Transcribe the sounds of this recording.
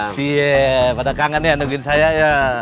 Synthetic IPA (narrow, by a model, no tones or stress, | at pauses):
sipadakaŋanianuɡɪnsajaja